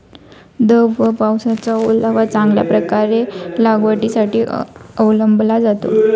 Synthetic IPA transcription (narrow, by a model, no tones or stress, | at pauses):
d̪əwʋəpawsat͡saulaʋat͡sãŋɡlja̰pɾəkaɾelaɡʋəʈisaʈiːəwləmbʱlad͡zat̪o̰